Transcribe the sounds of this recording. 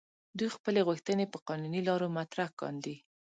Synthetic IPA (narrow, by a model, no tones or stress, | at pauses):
d̪ujxpəleɣuxt̪ənepəqɑnunilɑɾomat̪ɾakɑ̰nd̪i